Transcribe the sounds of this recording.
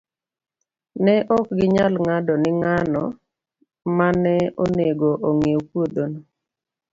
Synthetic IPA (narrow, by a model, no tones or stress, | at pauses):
nɛʔɔkɡɪɲalŋadɔnɪŋanɔ | manɛoneɡoʔoŋewkwod̪ono